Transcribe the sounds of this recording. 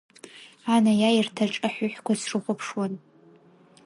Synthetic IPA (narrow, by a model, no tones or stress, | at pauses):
anajairtʰaʈ͡ʂʼaħʷʊħʷᶣkʷasʰrɨχʷʊpʰʂwan